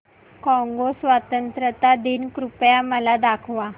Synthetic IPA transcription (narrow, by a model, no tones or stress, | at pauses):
kɔ̃ŋɡosʋat̪ənt̪ɾət̪ad̪inkɾupjaməlad̪akʰʋa